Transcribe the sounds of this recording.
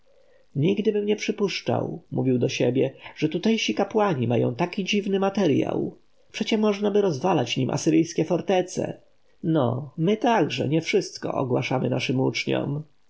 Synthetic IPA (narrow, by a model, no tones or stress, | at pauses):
ɲiɡd̪ɘbɘmɲɛpʂɘpuʂt͡ʂa̰wmuvʲiwd̪ɔɕɛbʲjɛʐ̥ɛt̪ut̪ɛjɕikapwaɲimajɔ̰̃w̃t̪akʲid͡ʑivnɘmat̪ɛɾja̰w | pʂɛt͡ɕɛmɔʐnabɘɾɔzvalat͡ɕɲimʔa̰sɘɾɘjskʲɛfɔɾt̪ɛt̪sɛ̰ | nɔmɘt̪aɡʐɛ̰ɲɛfʂɘst̪kɔ̰ʔɔɡwaʂamɘnaʂɘmut͡ʂɲɔ̰m